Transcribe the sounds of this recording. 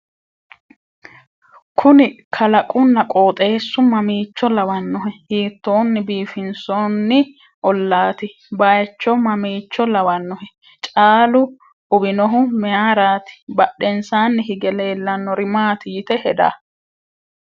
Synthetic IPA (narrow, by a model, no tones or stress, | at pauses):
kʰʊnɪkʰɐlɐkʼʊnːɐkʼoːt̪ʼe̞ːsːʊmɐmiːt͡ʃːɔlɐwɐnːɔɦɛhiːt̪ːoːnːɪbiːfɪnsɔnːɪ | ʔɔlːaːt̪ɪ | bajɛt͡ʃːɔmɐmiːt͡ʃːɔlɐwɐnːɔhɛ | t͡ʃʼaːlʊ | ʔʊbɪnɔɦʊmɛaːɾaːt̪ɪ̥bɐɗːɛnsaːnːɪhɪɡɛleːlːɐnːɔɾɪmaːt̪ɪjɪt̪ɛhɛd̪a̰ː